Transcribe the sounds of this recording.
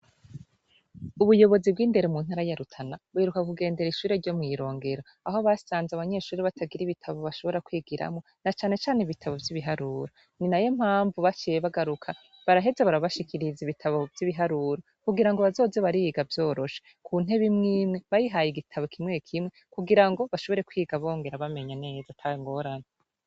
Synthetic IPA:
uβujo̞βo̞zib̚ɡiːnde̞ɾemuːnhaːɾajaɾutʰanaβuheɾukakuɡe̞ːnde̞ɾiʃuːɾe̞ɾɟo̞mŋiːɾo̞ːŋɡe̞ɾo | aɦo̞βasaːnzaβaɲe̞ʃuːɾiβatʰaɡiɾiβitʰaβo̞βaʃo̞βo̞ɾakwiːɡiɾa̰mŋo̞ | nat͡ʃaːne̞t͡ʃaːneiβitʰaβo̞vjiβiɦaɾuːɾo | ninajom̥haːɱvuβat͡ʃijeβaɡaɾukʰa | βaɾaɦe̞zeβaɾaβaʃikʰiɾiziβitʰaβo̞vjiβiɦaɾuːɾo | kuɡiɾaŋɡo̞βazo̞ːzeβaɾiiɡavjo̞ːɾo̞ʃe̥ | kʰuːn̥e̞βimŋiːmŋe̞βajiɦajiɡitʰaβokʰimŋekʰimŋekuɡiɾaŋɡo̞βaʃoβo̞ɾe̞kwiːɡaβo̞ːŋɡe̞ɾaβame̞ɲene̞ːzatʰaŋɡo̞ɾana

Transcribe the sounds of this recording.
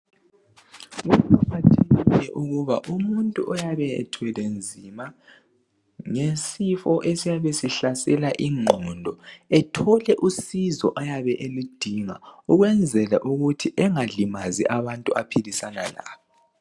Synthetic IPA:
utʰapʰatʰɛilɛʔuɣuβaʔumuntʼuʔɔjaβɛɛ̰tʰwɛlend͡zʱima | ŋesifɔʔesijaβesiɬasɛlaʔiŋ͡ǃʱɔndʱɔɛtʰɔlɛʔusizɔ̰ʔajaβɛʔelid̥ʱiŋauɣwɛnd͡zʱɛlaʔuɣutʰiʔɛŋalimazḭʔaβantʼuapʰilisanala̰βɔ

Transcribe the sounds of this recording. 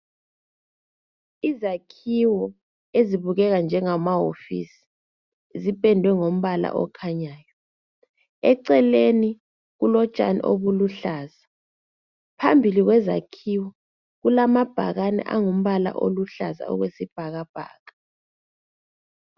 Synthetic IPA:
izakʰiwɔ | eziβuɣɛɣand͡ʒʱɛŋamaɦo̰fḭsi̥ | zipʼɛndʱwɛŋom̩βala̰ʔɔ̰kʰaɲaːjɔ | ɛǀɛleni | ɣulɔt͡ʃʼa̰nḭʔo̰βuluɬaːza | pʰambʱiliɣwɛza̰kʰiwɔ | ɣulamab̥ʱaɣanɛ̰ʔaŋom̩βala̰ʔo̰luɬa̰za̰ɔ̰ɣwesib̥ʱaɣab̥ʱa̰ːɣa

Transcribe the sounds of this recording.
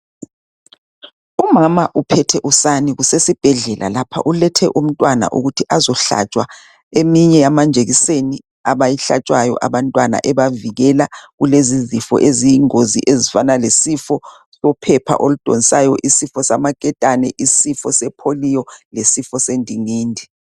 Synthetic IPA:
umamaʔupʰɛtʰɛʔusaniɣusesib̥ʱɛɮɛlʔa̰lapʰa̰ʔulɛtʰɛʔum̩tʼwana̰ʔṵɣutʰiʔazɔɬa̰t͡ʃʼwa | emiɲɛjamand͡ʒʱeɣiseni | aβajiɬa̰t͡ʃʼwajɔ̰ʔaβantʼwana̰ʔɛβaviɣɛlaɣulezizifɔ̰ʔezijiŋoziʔezifanalesifɔ | sɔpʰɛpʰa̰ʔolud̥ʱonisajɔʔisifɔsamakʼɛtʼanɛʔisifɔsɛpʰolijɔlesifɔsendʱiŋiːndʱi

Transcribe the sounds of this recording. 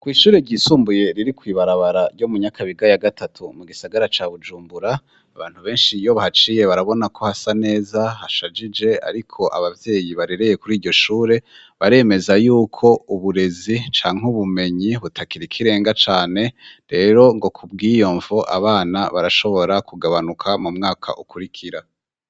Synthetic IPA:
kwiːʃuːɾe̞ɾɟiːsuːmbuje̞ɾiɾikwiːβaɾaβaɾaɾɟo̞muɲakaβiɡajaɡatʰatʰumuɡisaɡaɾat͡ʃaːβud͡ʒuːmbuɾa | aβaːn̥huβe̞ːnʃijo̞βahat͡ʃiːje̞βaɾaβo̞nakʰo̞hasane̞ːzahaʃad͡ʒid͡ʒe̞a̰ɾikʰo̞ʔa̰βavje̞ːjiβaɾeɾe̞je̞kuɾiːɾɟo̞ʃuːɾe̞ | βaɾe̞me̞zajuːkʰo̞uβuɾe̞zit͡ʃaːŋ̥huβume̞ɲiβutʰakiɾikʰiɾe̞ːŋɡat͡ʃaːne̞ɾe̞ːɾo̞ŋɡo̞kʰub̚ɡiːjo̞ːɱvoʔa̰βaːnaβaɾaʃo̞βo̞ɾakuɡaβanukʰamumŋaːkʰa̰ʔukuɾikʰiɾa

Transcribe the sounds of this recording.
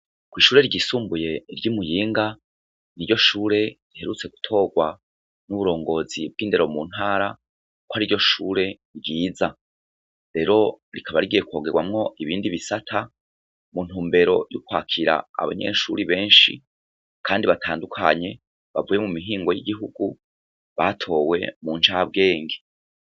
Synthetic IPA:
kwiːʃuːɾe̞ɾiɟisuːmbuje̞iɾɟumujiːŋɡa | niɾjo̞ʃuːɾe̞ɾihe̞ɾut͡se̞ɡu̥tʰo̞ːɡwa | nuβuɾo̞ːŋɡo̞ːzib̚ɡiːnde̞ɾo̞muːn̥haːɾa | kwaɾiɾɟo̞ʃuːɾe̞ɾɟiːza | ɾe̞ːɾo̞ɾikʰaβaɾiɡije̞kwo̞ːɡe̞ɡwamŋo̞ʔiβiːndiβisatʰa | mun̥uːmbe̞ɾo̞jukwaːkʰiɾa̰a̰βa̰ɲe̞̰ʃuɾiβe̞ːnʃḭ | kʰaːndiβatʰaːndukʰa̰ɲe̞ | βa̰vuːje̞mumiɦiːŋɡo̞jiɡiɦuɡu | βatʰo̞ːwe̞̰muːnʃaːab̚ɡe̞ːŋɡe̥

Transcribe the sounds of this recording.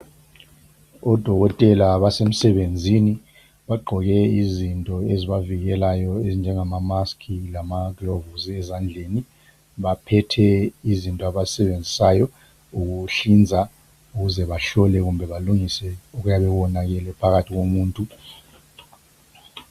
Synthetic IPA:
ɔd̥ʱɔɣɔtʼɛlaβasem̩sɛɓend͡zʱini | ɓaɡ͡ǃʱɔɣ̬ɛizintʼɔeziβaviɣɛlajɔezind͡ʒʱɛŋamamaskʰilamaɡlɔvuzɛzand͡ɮʱeni | ɓapʰɛtʰɛizintʼɔaβasɛɓend͡zʱisajɔ | uk̬uɬind͡zʱa | uɣuzɛβaɬɔlɛɣ̬umbʱɛβaluŋisɛuk̬ujaɓɛwɔnak̬ɛlɛpʰaɣatʰiɣomuːntʼu

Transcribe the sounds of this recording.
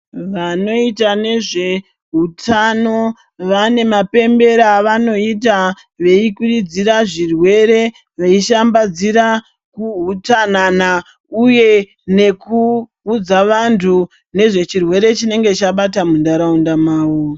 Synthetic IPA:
ʋano̞itane̞ʐe̞ | ɦutʰano̞ | ʋane̞mape̞mbe̞ɾaʋano̞it̬a | ʋe̞ikurid͡ziɾaʐirwe̞ɾe̞ | ʋeiʃambad͡ziɾa | kuɦutanana | uje̞ | ne̞ku | ud͡zaʋantʰu | ne̞ʐe̞t͡ʃirwe̞ɾe̞t͡ʃine̞ŋɡe̞t͡ʃaɓatamundaɾaundamaːwo

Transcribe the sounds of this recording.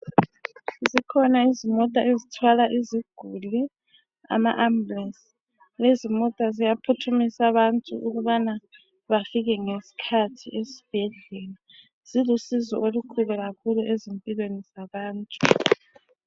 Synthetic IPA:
zikʰɔnaizimɔtʼaezitʰwalaʔiziɡ̥ʱuli | a̰maʔamblɛs | lezimɔtʼazijapʰutʰumisaβantʼṵʔuɣuβana | βafiɣɛŋesi̥kʰatʰiʔesi̥b̥ʱɛɮɛla | z̥ilusizɔʔolukʰulɛɣakʰuluʔezempʼilwenizaβaːntʼu̥

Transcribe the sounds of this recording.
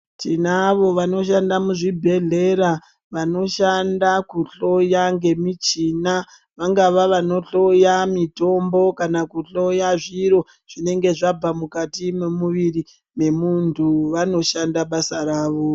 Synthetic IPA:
tinaʋo̞ʋano̞ʃandamuʐibʱe̞ɮe̞ɾa | ʋano̞ʃandakuɬo̞jaŋɡe̞mit͡ʃina | ʋaŋɡaʋaʋano̞ɬo̞jamito̞mbo̞kanakuɬo̞jaʐiɾo̞ | ʐ̥ine̞ŋɡe̞ʐab͡vamukatimemuʋiɾi | me̞muntʰuʋano̞ʃandaɓasaɾaːʋo

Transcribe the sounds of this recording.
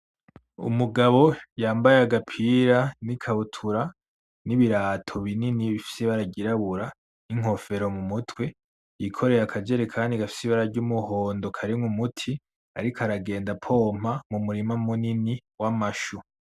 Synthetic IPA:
ṵmuɡaβo̞jaːmbajaɡapʰiɾanikʰaβutʰuɾa | niβiɾaːtʰo̞βininiβifi̥siβaɾaɟiɾaβuɾa | niŋ̥o̞fe̞ɾo̞mumutʰwe̞ | jikʰo̞ɾe̞ɾakʰad͡ʒe̞ɾekʰaːndiɡafi̥siβaɾaɾɟumuho̞ːndo̞kʰaɾiŋumutʰi | a̰ɾikaɾaɡe̞ːndapʰo̞m̥hamumuɾimamuniniwamaʃu

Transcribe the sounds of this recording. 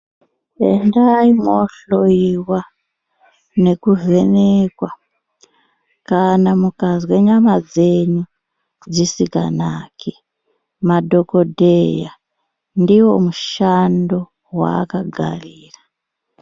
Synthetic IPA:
ḛndaimoɬoiwa | ne̞kuzenekwa | kanamukaziwe̞ɲamad͡ze̞ɲu | d͡zisika̰naːki | madʱo̞ko̞dʱeja | ndiwo̞muʃando̞ | wa̰kaɡʱa̰riːra

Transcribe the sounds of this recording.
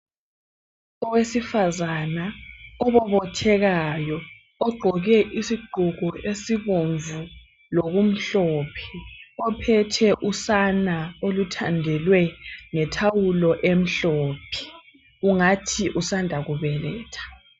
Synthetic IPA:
ɔwesifazanaɔβɔβɔtʰɛɣajɔː | ɡ͡ǃʱɔɣɛʔisiɡ͡ǃʱuɣɔesiβoɱvu | loɣum̩ɬɔːpʰɛ̥ɔpʰɛtʰɛʔusanaolutʰandʱɛlwɛŋɛtʰawulɔʔem̩ɬɔːpʰɛ̥ | uŋatʰiʔusandʱaɣuβɛlɛːtʰḁ

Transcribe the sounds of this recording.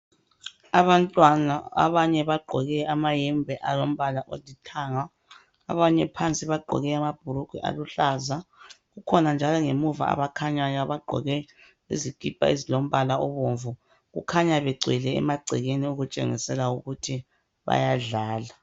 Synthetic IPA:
aβantʼwanaa̰βaɲɛβaɡ͡ǃʱɔɣɛamajɛmbʱɛʔalom̩βalaʔodʱitʰaŋa̰ː | βaɲɛpʰant͡sʼiβaɡ͡ǃʱɔ̰ɣɛamab̥ʱuɾuɡ̥ʱḭʔa̰luɬazaɣukʰɔnand͡ʒʱalɔŋemuva̰a̰βakʰaɲajaβaɡ͡ǃʱɔ̰ɣɛ | eziɡ̥ʱʼipʼa̰ezilom̩βalaɔβoɱvu | ɣṵkʰaɲaβɛɡ͡ǀʱɛlɛ̰ːmaɡ͡ǀʱɛɣeniuɣut͡ʃʼḛŋḭsɛlauɣutʰi | βa̰jaɮaːla

